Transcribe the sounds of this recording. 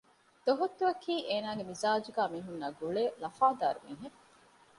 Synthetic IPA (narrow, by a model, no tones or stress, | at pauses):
d̪̥oɦot̪ːuɐkʰiːʔeːnaːɡemizaːd͡ʒuɡaːmiːɦunːɐɡuɭeːlɐfaːd̪a̰ːɾumḭːɦe